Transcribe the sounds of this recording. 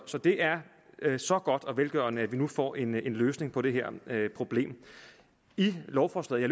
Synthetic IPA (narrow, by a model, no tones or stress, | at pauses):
sɒ̽d̥e̝ʔæɐ | sɒ̽ɡ̥ɒ̽d̥ɒ̽ʋelɡ̥ɶːɐnəæʋinufɒ̰ːʔe̝ne̝nløːsne̝ŋpʰɒ̽ɾ̥e̝ɦeɐ̰pʰʁo̝b̥le̝̰ːm | ilɒʊfɒːslɛ̰ð̩ˠjal